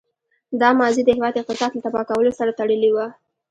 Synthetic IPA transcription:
d̪ɑmɑzid̪əhɪwɑd̪ɪq̚t̪ɪsɑd̪lat̪abɑkawəlosaɾat̪aɽəliwa

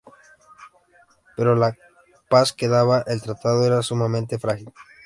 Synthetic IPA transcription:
pe̞ɾo̞la | paske̞ðaβaʔelt̪ɾat̪að̞oe̞ɾasumamẽnt̪e̞fɾaxil

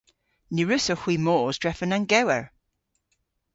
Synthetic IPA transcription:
niɹʉsəhw̥imoːzdɹɛfənaŋɡɛwəɹ

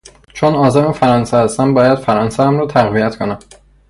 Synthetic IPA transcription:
t͡ʃʰonɒːzæmefæɾɒːnsehæst̪ænbɒːjæd̪̥fæɾɒːnsææmɾɒːt̪ʰæɣvijæt̪ʰkʰonæm

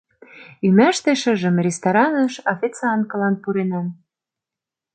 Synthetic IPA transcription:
ymæʃt̪eʃə̆ʒə̆mrʲest̪ɑɾɑnɤ̆ʃɑfʲit͡sɑnkɤlɑnpuɾenæn

